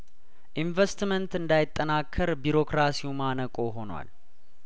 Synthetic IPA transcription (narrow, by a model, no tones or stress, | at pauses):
ʔiɱvest̪mənt̪ɨnd̪ajɪt̪ʼːənakʰːəɾbiɾo̞kɾasiumanəkʼo̞ɦo̞nwa̰l